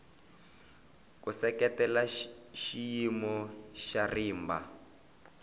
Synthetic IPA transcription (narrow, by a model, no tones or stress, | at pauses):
kusɛkɛtɛlaʃijimɔʃariːmba̰